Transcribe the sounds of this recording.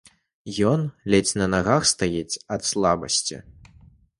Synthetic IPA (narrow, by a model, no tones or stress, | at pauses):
jɔnlʲɛt͡sʲnɐnaɣaxst̪ajɛt͡sʲɐt̪slˠabɐ̰sʲt͡sʲḭ